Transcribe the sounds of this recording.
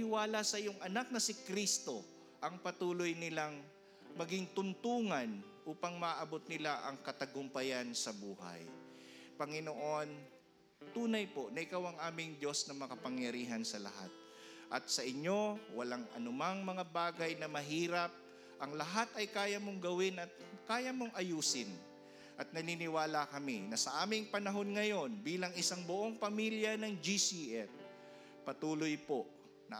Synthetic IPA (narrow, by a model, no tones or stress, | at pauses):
ɪwaːlasɐʔɪjoŋʔɐnak̚nɐsɪkɾist̪o̞ | ʔɐŋpɐt̪uːlojnɪlaŋ | mɐɡiŋt̪ʊnt̪uːŋɐnʔuːpɐŋmɐʔaʔɐbo̞t̪̚nɪlaʔɐŋkɐt̪ɐɡʊmpɐjansɐbuːha̰j | pɐŋɪnoʔo̞n | t̪uːnɐjpo̞ʔnɐʔɪkawɐŋʔaːmɪŋd̪o̞snɐmɐkɐpɐŋjɐɾiːɦɐnsɐlɐ̰ɦa̰t̪̚ | ʔɐ̰t̪̚sɐʔɪɲːo̞wɐlaŋʔɐ̰nʊmaŋmɐŋabaːɡɐjnɐmɐɦiːɾɐp̚ | ʔɐŋlɐɦat̪ɐjkaːjɐmoŋɡɐwɪnɐt̪̚kaːjɐmoŋʔɐjuːsɪn | ʔɐt̪̚nɐninɪwaːlakɐminɐsɐʔaːmɪŋpɐnɐɦo̞nŋɐjo̞nbiːlɐŋɪsaŋbʊʔo̞ŋpɐmiljɐnɐŋd͡ʒisiʔɛt̚ | pɐt̪uːlojpo̞ʔ | nɐ̰